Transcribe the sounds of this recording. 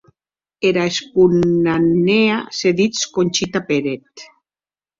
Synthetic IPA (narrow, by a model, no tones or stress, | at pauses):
eɾaespunaneaseðit͡skonʲt͡ʃit̪apeɾet̪